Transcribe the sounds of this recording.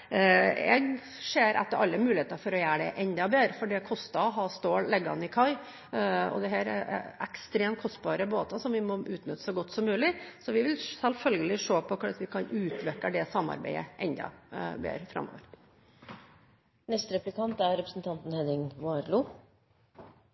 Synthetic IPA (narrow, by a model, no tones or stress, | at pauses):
ɛ̰ɡ | ʂeːɾʔæ̰t̪ːəɾʔɑlːəmʉːlɪheːt̪ɑfɔɾɔjæːɖɛʔɛnd̪ɑbeːɾəfɔɖɛkʰɔst̪ɑɦɑːst̪oːllɛɡːɑ̰nɪkʰɑɪ | ɔ̰d̪ɛɦæːɾɛ̰ɛ̰kst̪ɾeːmt̪kʰɔst̪̚bɑːɾəboːt̪ɑsɔmʋɪmɔʔʉːt̪nʏt̪ːə̥sɔɡɔt̪ːsɔmːʉːlɪsɔʋɪʋɪlsɛlfœlɡəlɪʂoːpʰɔkʰʊɑt̪ʋɪkʰɑnʉːt̪ʰʋɛkːəɖ̪ɛsɑmːɑ̰ɾbæ̰ɪə̰ʔɛnd̪ɑ̰bḛːɾfɾɑ̰mːo̰ːʋəɾ | nɛst̪ɾɛplɪkʰɑnt̪æɾɛpɾəsn̩t̪ʰɑnt̪n̩hɛd̪ɪŋʋɑːɾlu